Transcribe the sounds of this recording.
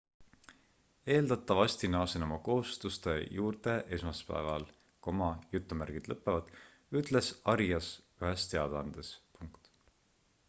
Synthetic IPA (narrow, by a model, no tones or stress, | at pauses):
e̞ːld̪̥ɑt̪ːˑɑvɑsʲt̪inɑːsenomɑko̞hust̪ust̪e̞juːrt̪e̞ʔe̞smɑspæ̰evɑl | komɑjut̪ːˑumærɡ̥id̪̥lɤpːˑe̞vɑd̪̥ | yt̪ˑle̞sɑɾjɑs | yɦe̞st̪e̞ɑd̪̥ɑnd̪̥espuŋkt̪